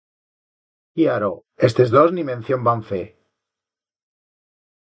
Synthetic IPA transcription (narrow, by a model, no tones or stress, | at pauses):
iaɾo | est̪ezðoznimẽnθjombaɱfe